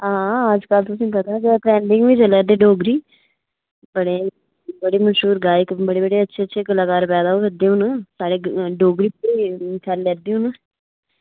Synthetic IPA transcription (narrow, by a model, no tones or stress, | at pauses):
ɦãːəd͡ʒkəlt̪ʊsĩːpət̪aːkeʈɾɛːɳɖɪŋɡʋiːt͡ʃəlɛːd̪eːɖoːɡɾiː | bəɽeː | bəɽeːməʃuːɾɡaːɪkbəɽeːbəɽeːətːʃʰeːətːʃʰeːkəlaːkaːɾpɛːd̪aːoːdəd̪eːʊnsaːɽeːɖoːɡɾiːpːiːkʰɛnlɛːd̪iːũːn